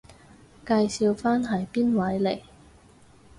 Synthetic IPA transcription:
kaː˧jsiː˧wfaː˥nɦɐ˨˩jpiː˥nwɐ˨˥jle˨˩j

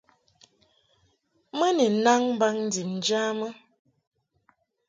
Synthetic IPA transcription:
mə˦ni˨na˦ŋm˦ba˦ŋn̩˦di˨ŋ˨d͡ʒa˦mə˦

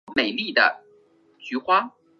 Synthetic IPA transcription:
me˨˩ɪli˥˩d̪ə̰˩ | t͡ɕy˧˥xwa˥

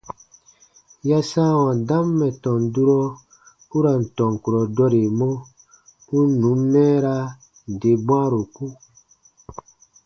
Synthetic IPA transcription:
ja˦sã˦wã˨dã˦mːɛ˨tɔ̃˨ndu˦ɾɔ˦ | u˦ɾa˨n̩˨tɔ̃˨ŋ˨ku˨ɾɔ˨dɔ˦ɾe˨mɔ̃˦ | u˦nũ˨˦mːɛ̃ː˦ɾa˦ | n˨de˨bw̃ã˦ɾo˨ku˦

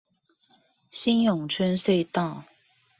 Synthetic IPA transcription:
ɕi˥˦njʊ˨˩ŋʈ͡ʂʰə˥nswe˥˧ɪt̪ɑ˥˨ʊ

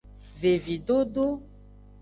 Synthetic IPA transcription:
ve˨vi˨ɖo˦ɖo˦

